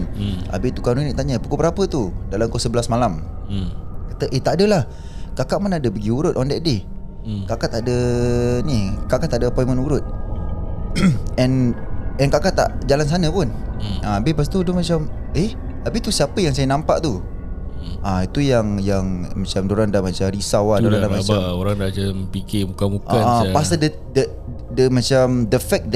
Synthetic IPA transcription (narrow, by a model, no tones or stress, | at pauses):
na̰bɪt̪ukanuniʔt̪aɲəbukubəɾapət̪udalamkosəbəlasmalam | kat̪əʔət̪aʔadəlah | kakaʔmanadəbəɡiuɾʊt̪ʔɔndɛt̪̚de | kakat̪adənikaʔkaʔt̪adəpɔjmənuɾʊt̪̚ | ɛnɛnkakat̪a̰ʔd͡ʒalans̬anə̃pʊnabepas̬t̪udʊhmat͡ʃam | e | lapit̪usiapəjaŋsajənãmpaʔt̪u | ʔait̪ujaŋjaŋmat͡ʃamdoɾandamãt͡ʃamɾisawadoɾadamat͡ʃaoɾaŋdat͡ʃampikɪmukamukaaapasədə | də | dəmat͡ʃamdəfɛk̚d̪ɛ